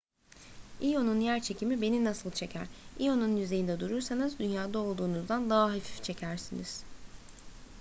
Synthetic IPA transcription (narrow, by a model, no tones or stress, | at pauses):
ijo̞nunjæɾt͡ʃʰe̞cʰimibe̞ninasɯlˠt͡ʃʰe̞cʰæ̰ɾ̥ijo̞nunjyze̞jind̪ɛd̪uɾuɾsanɯzd̪ynjaːd̪ao̞lˠd̪uːnuzd̪and̪aɦaɦefi̥ft͡ʃʰe̞cʰæɾsiniz̥